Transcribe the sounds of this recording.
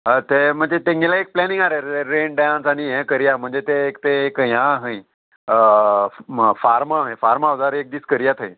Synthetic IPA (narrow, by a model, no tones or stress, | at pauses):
ət̪em̤əɳd͡zet̪ẽŋɡelaek̚plɛniŋɡaɾeɾeɾenɖãnsaɽ̃ijɛ̃kəɾijam̤əɳd͡zet̪eːkt̪eːkjãːɦə̃j | faɾmaɦə̃jfaɾmaʋd͡zaɾek̚d̪iːskəɾijat̪ʰəj